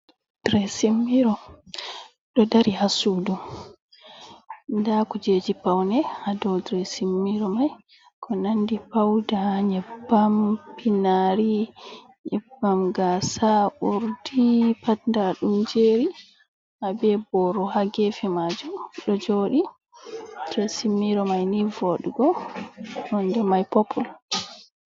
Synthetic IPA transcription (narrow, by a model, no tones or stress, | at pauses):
d̥ɾɛsimːiɾɔ | ɗɔdaɾihasuːdum | ndakɔd͡ʒeːd͡ʒipawnɛhadɔdɾɛsimːiɾɔmaj | kʰɔnandipawdaɲɛbːampinaɾi | ɲɛbamɡasaʔuɾdipatndaɗumd͡ʒeːɾi | ʔabɛbɔɾɔhaɡefimad͡ʒuɗɔd͡ʒoːɗi | dɾɛsimːiɾɔmajnivoɗuɡɔ | nɔndɛmajpopul